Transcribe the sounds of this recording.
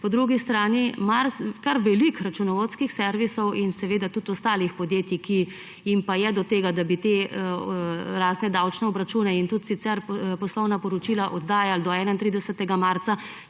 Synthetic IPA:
pɔd̪ɾuːɡist̪ɾaːnimaɾkaɾʋɛlikɾat͡ʃunɔʋot̪skixsɛɾʋisɔwinsɛʋeːd̪at̪ut̪ɔst̪aːlixpɔd̪jeːt̪iki | jimpajɛd̪ɔt̪eːɡad̪abit̪e | ɾaːznɛd̪aːwt͡ʃnɛɔbɾat͡ʃuːnɛint̪ut̪sit̪sɛɾpɔslɔwnapɔɾɔt͡ʃiːlaʔɔd̪d̪aːjald̪ɔɛːnaint̪ɾiːd̪ɛsɛt̪ɛɡamaːɾt̪sa

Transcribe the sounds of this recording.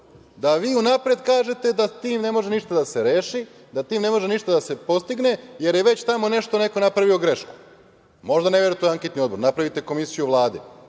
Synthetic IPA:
d̪aʋiːunapɾed̪kaːʒe̞t̪e̞d̪at̪iːmne̞mo̞ʒeniʃt̪ad̪ase̞ɾeːʃi | d̪at̪iːmne̞mo̞ʒeniʃt̪ad̪ase̞po̞st̪iɡne̞je̞ɾje̞ʋe̞t͡ɕt̪amo̞ne̞ʃt̪o̞ne̞ko̞napɾaʋio̞ɡɾe̞ʃku̥ | mo̞ʒd̪ane̞ʋe̞ɾut̪oaŋket̪nio̞d̪bo̞ɾnapɾaʋit̪e̞ko̞misijuʋlˠaːd̪i

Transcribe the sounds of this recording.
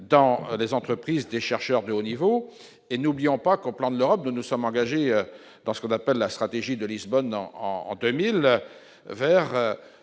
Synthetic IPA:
d̪ɑ̃lezɑ̃t̪χəpχizd̪eʃɛʁʃœʁd̪əonivo | enublijɔ̃pakoplɑ̃d̪əløʁɔp̚nunusɔmɑ̃ɡaʒeø | d̪ɑ̃sə̥kɔ̃napɛlːast̪χat̪eʒid̪əlizbɔnɑ̰̃ɑ̰̃ɑ̰̃d̪ømil | vɛʁø

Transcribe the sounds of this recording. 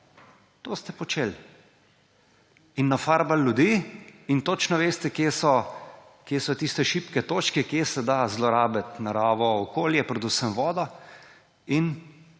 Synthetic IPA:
t̪oːst̪ɛpɔt͡ʃel | inːafaɾbalːjud̪iːint̪ot͡ʃnɔʋeːst̪ɛkjeːsɔ | kjeːsɔt̪ist̪ɛʃipkɛt̪oːt͡ʃkɛkjesɛd̪azlɔɾaːbɛt̪naɾaːʋɔɔkoːljɛpɾɛd̪usəmʋɔːd̪ɔ | in

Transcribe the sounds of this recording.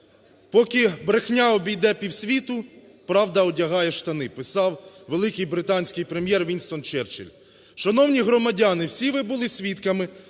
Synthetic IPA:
pɔkɪbɾexnʲaɔbʲijd̪ɛpʲiwsʲʋʲit̪ʊ | pɾɑwd̪ɐɔdʲɐɦɑjɛʃt̪ɐnɪpɪsɑwʋelˠɪkɪjbɾɪt̪ɑnʲsʲkɪjpɾemʲjɛrʋʲinʲst̪ɔnt͡ʃɛrt͡ʃɪ̰lʲ | ʃɐnɔwnʲiɦɾɔmɐdʲɑnɪwsʲiʋɪbʊlˠɪsʲʋʲit̪kɐmɪ

